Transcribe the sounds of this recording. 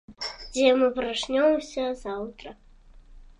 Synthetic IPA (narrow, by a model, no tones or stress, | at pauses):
d͡zʲɛmɨvɨɾaʂnʲoɔmsʲɐzawt̪ɾɐ